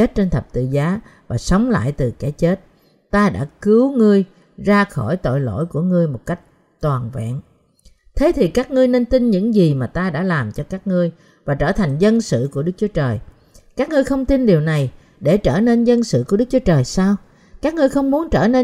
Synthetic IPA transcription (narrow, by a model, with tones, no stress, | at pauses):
e˦˥t̚t͡ɕe˧nt̪ʰə˨˩p̚t̪ɨ̰˧˨zaː˨˦ | vaː˨˩sə˨˦wŋ͡mla̰ː˧˨jt̪ɨ˨˩ka˧˩t͡ɕe˦˥t̚ | t̪aː˧ɗa̰ː˧˥kɨ˨˦wŋɨ˧əj | zaː˧xɔ˧˩jt̪o̰˧˨jlo̰˧˥˨jku˧˩əŋɨ˧əjmo˨˩t̚ka˦˥jk̟̚ | t̪waː˨˩nvɛ̰˧˨ŋ | t̪ʰe˨˦t̪ʰi˨˩kaː˦˥k̚ŋɨ˧əjne˧nt̪i˧nɲɨ̰˧˥ŋzi˨˩maː˨˩t̪aː˧ɗa̰ː˧˥laː˨˩mt͡ɕɔ˧kaː˦˥k̚ŋɨ˧əj | vaː˨˩t͡ɕəː˧˩t̪ʰa˨˩jŋ̟zə˧nsɨ̰˧˨ku˧˩əɗɨ˦˥k̚t͡ɕu˨˦t͡ɕəː˨˩j | kaː˦˥k̚ŋɨ˧əjxə˧wŋ͡mt̪i˧nɗi˨˩əwna˨˩j | ɗe˧˩t͡ɕəː˧˩ne˧nzə˧nsɨ̰˧˨ku˧˩əɗɨ˦˥k̚t͡ɕu˨˦t͡ɕəː˨˩jsaː˧w | kaː˦˥k̚ŋɨ˧əjxə˧wŋ͡mmu˨˦ənt͡ɕəː˧˩ne˧